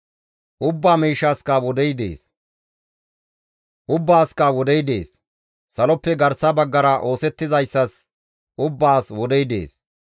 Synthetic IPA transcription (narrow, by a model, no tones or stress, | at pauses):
ʔʊbːaːmiːʃːaːskɐwɔd̪ɛjd̪e̞̰ːs | ʔʊbːaːskɐwɔd̪ɛjd̪ḛːsː | ɐlɔpːɛɡɐɾsɐbɐɡːɐɾɐʔo̞ːsɛt̪ːɪzɐjsːɐs | ʔʊbːaːswɔd̪ɛjd̪e̞̰ːs